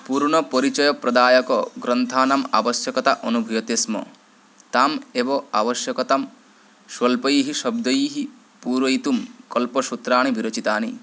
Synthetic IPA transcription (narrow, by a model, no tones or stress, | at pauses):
puɾɳ̃ɔpɔɾit͡ʃɐjɔpɾɐd̪aːjɐkɔɡɾɐnt̪ʰaːnɐma̰ʋɐsjɐkɐt̪aʔɔnubʱujɐt̪esmɔ̰ | t̪aːmebɔaʋɐʃjɐkɔt̪ɐm | ʃwɐlpɐjiːɦiʃɐb̚d̪ɐjiːɦi | puːɾʋɐjit̪umkɔlpɔʃut̪ɾaːɳ̃ibiɾot͡ʃit̪aːnḭ